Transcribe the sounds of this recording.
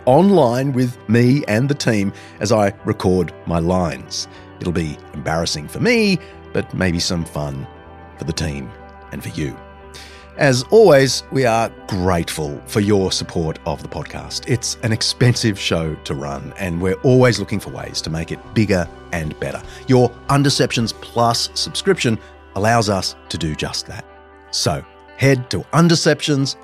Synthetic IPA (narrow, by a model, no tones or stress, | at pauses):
ɑ̃nlãɪ̃nwɪðmiɨ̃nðɨtʰĩm | ʔɨzaɪɹɨkʰɔɹd̚maɪlãɪ̃nz̥ | ɨɾl̩ˠbiɨ̃mbɛɹɨsɪ̃ŋfə˞mi | b̥ʌt̚mʔḛɪbisʌ̃ɱfʌ̃n | fə˞ðɨtʰḭ̃m | ɨ̃nfə˞jɨ̰ | ʔɨzɔlˠwizwiə˞ɡ̥ɹeɪtfəl̩ˠfə˞jə˞səpʰɔɹɾʌ̰vðəpʰɑd̚kʰæ̰stʰɪtsɨ̃nɨkspɛ̃nsɪv̥ʃoʊɾɨɹʌ̰̃nɨ̃nwɪɹʔɔlˠwizlʊkɪ̃ŋfə˞wḛɪz̥tʰəmeɪkɨt̚b̥ɪɡə˞ | ɨ̃nb̥ɛ̰ɾə̰˞jə˞ʔʌ̃ndə˞sɛpʃɨ̃nz̥pʰl̥ʌsɨb̥skɹɪpʃɨ̃n | əlaʊzʌstʰɨdɨd͡ʒʌ̰st̪̚ðɨ̰t̚ | soʊ | hɛd̚tʰəʔʌ̃ndə˞sɛpʃɨ̃nz̥